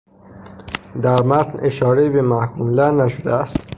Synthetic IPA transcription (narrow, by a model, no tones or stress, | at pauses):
d̪æɾmæt̪ne̞ʃɒːɾeibemæhkʰuːmlænæʃod̪eæst̪